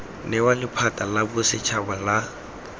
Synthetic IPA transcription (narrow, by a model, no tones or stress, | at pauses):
nɛwalɪpʰatʼalabʊsɪt͡ʃʰabala